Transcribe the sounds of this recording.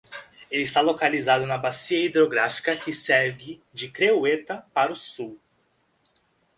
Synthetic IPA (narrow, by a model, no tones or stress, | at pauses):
elist̪alokalizad̪ʊnɐbasiɐid̪ɾoɡɾafi̥kɐkɪsɛɾɡɪ | d͡ʒɪkɾewet̪ɐpaɾʊsuw